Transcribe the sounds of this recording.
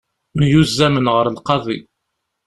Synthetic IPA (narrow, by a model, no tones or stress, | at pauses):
mjuzːæmənʁəɾlqɑðˤi